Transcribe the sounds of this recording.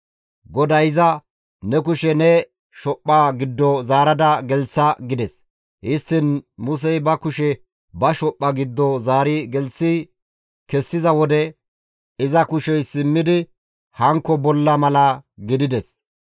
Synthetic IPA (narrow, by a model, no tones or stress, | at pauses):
ɡɔd̪ɐjɪzɐ | nɛk̬ʊʃɛnɛ | ʃɔpʼːaɡɪd̪ːɔzaːɾɐd̪ɐɡɛlt͡sːɐɡɪd̪ɛs | ʔɪst̪ːɪnmʊs̬ɛjbɐkʊʃɛ | bɐʃɔpʼːɐɡɪd̪ːɔzaːɾɪɡɛlsːi | kɛsːɪzɐwɔd̪ɛ | ɪzɐkʊʃɛjsɪmːɪd̪ɪ | hɐŋkːɔbɔlːɐmɐlɐɡɪd̪ɪd̪ɛs